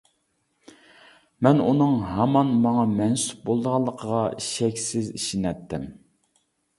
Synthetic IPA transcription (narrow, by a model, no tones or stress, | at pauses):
mɛnunɨŋɦɑmɑnmɑŋɑmɛnsu̥p̚bolˠd̪əʁɑlˠːəqʰəʁɑʃɛkʲsɪzḭʃinɛt̪ːɪm